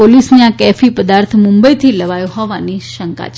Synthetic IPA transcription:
olisniakɛfipəd̪aɾt̪ʰmumbəjt̪ʰiləʋajõɦɔʋaniʃəŋka̰t͡ʃʰ

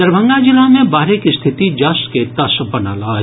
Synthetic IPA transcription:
əɾbʱə̃ŋɡad͡ʒɪlamẽbaːɾekist̪ʰɪt̪id͡ʒaːsket̪ɐsbɐna̰laː

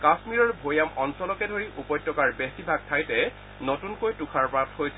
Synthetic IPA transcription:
kasmiɹɔɹbʱojamɔnsɔlɔkɛdʱoɹiʔupɔjtːɔkaɹbesibʱaɡ̚tʰajtɛ | notunkojtukʰaɹpɹat̚ʰhojsʰɛ

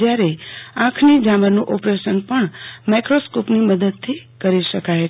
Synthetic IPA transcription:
jaɾeãkʰnid͡ʒaməɾnũʔopɾeʃənpəɳmajkɾoskopniməd̪əd̪̚t̪ʰikəɾiʃəkaɦe

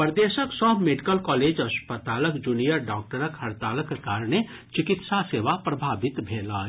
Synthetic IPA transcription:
pəɾd̪esəksəɦmeɖikəlkɔled͡ʒəspət̪aləkd͡ʒunijəɾɖɔk̚ʈəɾəkhəɾt̪aːləkːekaɾne | t͡ʃikit̪saseʋapɾəbʱabit̪bʱelə

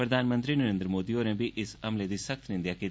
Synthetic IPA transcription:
pɾəd̪ʱaːnmə̃nt̪ɾinəɾẽːnd̪ɾmoːd̪ioːnẽbʱiʔɪsɐmled̪iːsəkt̪ʰnɪ̃nd̪ijaːke

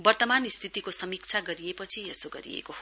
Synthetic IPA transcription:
bʌrt̪ʌmanist̪ʰit̪ikosʌmik̚t͡sʰaɡʌɾiepʌt͡sʰiesoɡʌ̰ɾḭjḛkoɦ

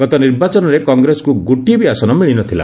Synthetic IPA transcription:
ɡ̥ɔt̪ɔniɾbat͡ʃɔnɔɾekɔŋɡɾesɔ̥kuɡuʈibiasɔnɔmiɭinɔt̪ʰila̰

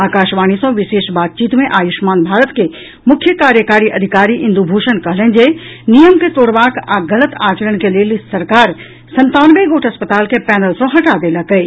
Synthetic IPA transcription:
aːkaːʃʋaːñisõʋɪʃeːʃbaːt̪̚t͡ʃiːt̪mẽʔaːjʊʃmaːnbʱaːɾət̪ke | mʊkʰjəkaːɾjəkaːɾiʔɐd̪ʱɪkaːɾiʔɪ̃nd̪ubʱoːʃənkɐɦlə̃nd͡ʒenijəmket̪oːɽʋaːkaɡɐlət̪aːt͡ʃəɾəɽ̃kelijelɪssɐɾkaːɾ | sɐ̃nt̪aːnʋeɡoːʈʰɐspət̪aːlkepɛːnəlsõɦɐʈad̪eːlakəi

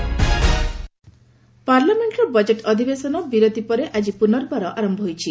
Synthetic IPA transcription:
paɾlameɳʈɾɔbɔd͡ʒeʈɔd̪ʱibesɔnɔbiɾod̪ipɔɾeʔad͡ʒipunɔɾbaɾɔʔaɾɔmbʱɔɦojt͡ʃʰi

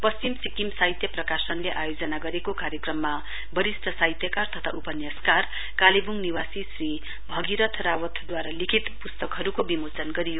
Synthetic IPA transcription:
pʌst͡ɕimsikimsajt̪jʌprʌkasʌnleʔajod͡zʌnaɡʌɾekokaɾjʌkrʌmːa | bʌɾisʈ̪ʰʌsajt̪jʌkart̪ʌt̪ʰa̰upʌnjʌskar | kalebuŋniwasisri | bʱʌɡiɾʌt̪ʰrawʌt̪ʰd̪waɾalikʰit̪pust̪ʌkɦʌɾukobimot͡sʌnɡʌɾijo

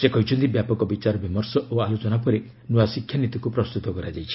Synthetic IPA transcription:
sekɔɦijt͡ʃʰɔnt̪ibjapɔkɔbit͡ʃaɾɔbimɔɾsɔʔoalot͡ʃɔnapɔɾe | nuasikʰjanit̪ikupɾɔst̪ut̪ɔkɔɾad͡ʒajt͡ʃʰi̥

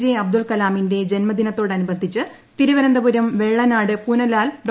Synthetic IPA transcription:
d͡ʑijeɐb̚d̪ulkɐlaːminde̞d͡ʑe̞nmɐd̪inɐt̪ːo̞ːɽɐnubɐnd̪ʱit͡ɕːɨ | t̪iɾuʋɐɾɐnd̪ɐbuɾɐmʋe̞ɭːɐnaːɽɨpunɐlaːlɖ

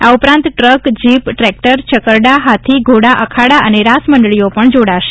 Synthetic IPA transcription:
aupɾãnt̪ʈɾəkd͡ʒipʈɾɛk̚ʈəɾt͡ʃəkəɾɖaɦat̪ʰiɡʱoɽaʔəkʰaɽaəneɾasməɳɖɭijopəɳd͡ʒoɽaʃe̥

